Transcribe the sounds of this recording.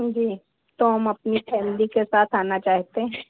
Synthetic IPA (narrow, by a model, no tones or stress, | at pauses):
d͡ʒiː | t̪oɦɐmɐpnifɛːmlikesaːt̪ʰaːnat͡ʃaːɦt̪eɦɛ̃